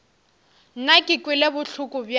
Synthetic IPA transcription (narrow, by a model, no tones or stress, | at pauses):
n̩nakʼɪkʼwɪlebʊɬʊkʼʊbj